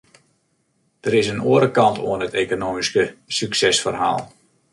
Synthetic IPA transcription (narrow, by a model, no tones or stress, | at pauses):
d̥əɾɪsənuəɾəkɑntʰo̰ənətekonoːmiskəsyksɛsfərɦa̰ːlˠ